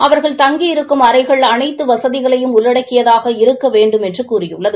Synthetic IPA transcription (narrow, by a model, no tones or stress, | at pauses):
ʔɐʋɐɾɣɐɭt̪ɐŋɡijɪɾɯkːɯmɐɾɐɪɣɐɭɐnɐɪt̪ːɯʋɐsɐðɪɣɐɭɐjɯmʊlːɐɽɐkːɪjɐðaːɣɐɪɾɯkːɐʋeːɳɖɯmɛndrɯkuːrɪjɯɭːɐðɯ